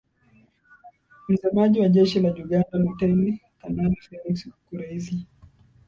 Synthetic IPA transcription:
m̩zamaʄiwaʄɛʃilaʄuɡandalutɛnitananifɛlikskuɾɛzi

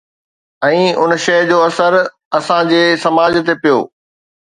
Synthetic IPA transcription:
ɛ̃ːʊnʃɐɦd͡ʑoːɐsəɾ | ɐsãd͡ʑeːsɐmaːd͡ʑt̪epijo̰ː

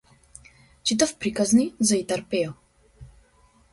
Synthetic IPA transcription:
t͡ʃit̪əfpɾikaznizait̪aɾpɛo

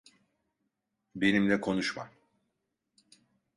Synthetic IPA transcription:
be̞nimlʲɛkʰo̞nuʃma̰

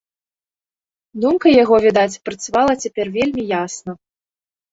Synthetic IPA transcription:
d̪umkɐjaɣɔvʲid̪at͡sʲpɾɐt̪savalˠɐt͡sʲapʲɛrvʲelʲmʲijasnɐ

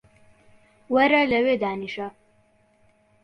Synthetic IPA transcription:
wɐɾɐlɐwed̪aːniʃɐ

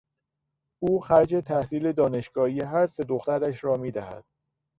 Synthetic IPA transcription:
ʔuːxæɾd͡ʒe̞t̪ʰæhsiːle̞d̪ɒːne̞ʃɡ̥ɒːhijeɦæɾse̞d̪oxt̪æɾæʃɾɒːmiːd̪æhæ̰d̪̥

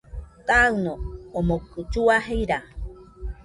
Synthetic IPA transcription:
kanoomokut͡ʃuaɦejɾa

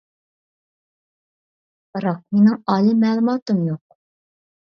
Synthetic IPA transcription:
b̥əɾɑq̚minɪŋɑlˠimæːlˠumɑt̪əmjuq̚

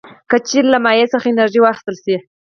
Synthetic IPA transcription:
kat͡ʃinlamɑjet͡səχaɪnaɾʒiwɑxɪ̥st̪əlsi

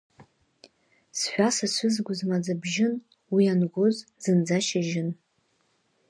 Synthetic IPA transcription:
sħʷᶣasasʷʊzɡʷʊzmad͡zabʒɪn | wianɡʷʊzz̥ɨnd͡zaʃɪʒɪn

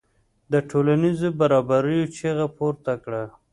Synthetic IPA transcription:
d̪əʈʰolanizobaɾɑbaɾəjot͡ʃeɣapoɾt̪akɽa

